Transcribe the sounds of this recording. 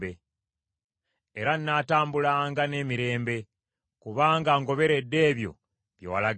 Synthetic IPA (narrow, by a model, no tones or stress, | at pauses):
be | eɾanːaːtaːmbulaŋɡane̞ːmiɾe̞ːmbe̞ | kuβaːŋɡaŋɡo̞βe̞ɾe̞dːe̞ːβjo̞̰ | βjo̰wala